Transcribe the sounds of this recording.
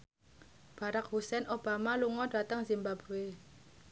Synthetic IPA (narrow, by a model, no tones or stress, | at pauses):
b̥aɾak̚ɦusɛnʔob̥amaluŋɔda̤t̪əŋzimbab̥ɾue